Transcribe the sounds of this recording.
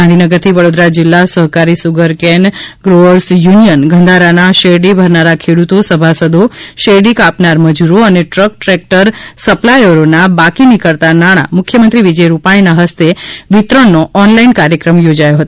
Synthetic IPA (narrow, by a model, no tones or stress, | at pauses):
and̪ʱinəɡəɾt̪ʰiʋəɽod̪ɾad͡ʒɪlːasəɦkaɾisuɡəɾkɛnɡɾoəɾsjunijənɡʱə̃nd̪ʱaɾanaʃeɖibʱəɾnaɾakʰeɽut̪osəbʱasəd̪ʱoʃeɖikapnaɾməd͡ʒuɾoəneʈɾək̚ʈɾɛk̚ʈəɾsəplajoɾonabakinikəɾt̪anaɽ̃a̰mʊkʰjəmənt̪ɾiʋid͡ʒəjɾupaɽ̃inaɦəst̪eʋɪt̪ɾəɳːoʔɔnlainkaɾjəkɾəmjod͡ʒajoɦət̪o